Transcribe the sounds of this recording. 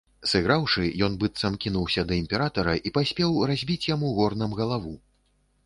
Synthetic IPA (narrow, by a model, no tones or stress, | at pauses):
sɨɣɾawʂɨjɔnbɨt̪sɐmkʲinuwsʲɐd̪ɐimʲpʲɛɾat̪ɐɾɐʔipasʲpʲɛwrazʲbʲit͡sʲjamuɣɔrnɐmɣɐlˠavu